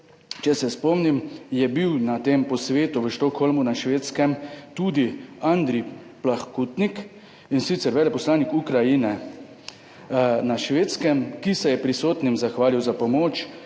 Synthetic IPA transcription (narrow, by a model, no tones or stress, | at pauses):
t͡ʃɛsɛspɔmnimjɛbiwnat̪eːmpɔsʋeːt̪uʋəʃt̪ɔkxɔlmunaʃʋeːt̪skɛmt̪uːd̪iand̪ɾi | plaxkut̪nik | insit̪sɛɾʋɛːlɛpɔslaːnikukɾajinɛ | naʃʋeːt̪skɛmkisɛjɛpɾisoːt̪nimzaxʋaːliwzapɔmoːt͡ʃ